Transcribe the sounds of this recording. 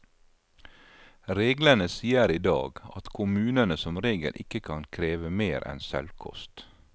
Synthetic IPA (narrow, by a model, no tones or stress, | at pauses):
ɾeːɡlənəsiːəɾiːd̪ɑ̰ːɡɑt̪kʰʊmʉːnənəsɔmɾeːɡə̰lʔɪkəkʰɑnkʰɾeːʋəmeːɾʔɛ̰nsɛ̰lkʰɔ̰st̪